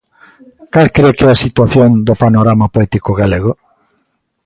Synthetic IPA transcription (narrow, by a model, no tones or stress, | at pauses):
kalkɾekɛasit̪waθjond̪ʊpanoɾamapoɛt̪ikoɣaleɣo